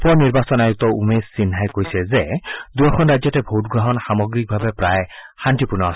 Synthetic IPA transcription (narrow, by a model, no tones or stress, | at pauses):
pɔniɾbasɔnajuk̚t̪ɔumesːinɦajkoijsʰezed̪uɔkʰɔnɾad͡ʒjɔtebʱot̪ɡɾɔɦɔnxamɔɡɾik̚bʱabepɾaehanʈipuɾnɔas